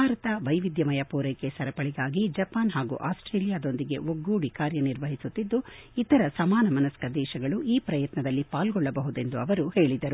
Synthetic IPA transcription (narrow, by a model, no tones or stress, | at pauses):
bbʱaːɾɐt̪ɐʋɐjʋid̪jɐmɐjɐpuːɾɐjkesɐɾɐpɐɭiɡaːɡid͡ʒɐpaːnɦaːɡṵːʔaːsʈɾeːlijaːd̪o̞nd̪iɡe̞̰ʔoɡːuːɽikaːɾjɐniɾʋɐɦisut̪ːid̪ːuit̪ɐɾɐsɐmaːnɐmɐnɐskɐd̪ɛːʃɐɡɐɭuʔiːpɾɐjɐt̪nɐd̪ɐlːipaːlɡɔɭːɐbɐɦud̪e̞nd̪uɐʋɐɾuhe̞ːɭid̪ɐɾu